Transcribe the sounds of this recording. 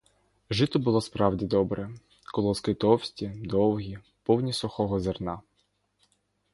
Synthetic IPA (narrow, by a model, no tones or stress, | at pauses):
ʒɪt̪ɔbʊlˠɔspɾɑwdʲid̪ɔbɾɛ | kɔlˠɔskɪt̪ɔwsʲtʲid̪ɔwɦʲi | pɔwnʲisɔxɔɦɔzernɑ